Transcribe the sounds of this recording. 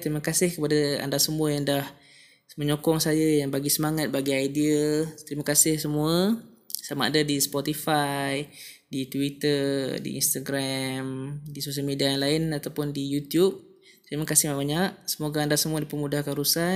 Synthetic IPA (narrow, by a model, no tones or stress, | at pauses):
t̪əɾimakasɪhkəpadaa̰ndasəmuəjaŋdah | məɲokɔŋsajəjaŋbaɡisəmaŋat̪̚baɡiajdiət̪əɾimakasɪhsəmuə | samaʔa̰dadisə̥pɔt̪ifaj | dit̪uwit̪ərdḭḭnst̪aɡɾamdisos̬əlmediajaŋlaɪnat̪awpʊndijut̪jup̚ | t̪ɾimakasɪhmabaɲaʔ̚səmoɡaːndasəmuədipəmudahkaɾusa